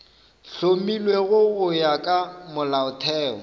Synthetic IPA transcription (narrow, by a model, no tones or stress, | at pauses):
ɬomilweɣʊɣʊjakʼamʊlaʊtʰɛːɔ̰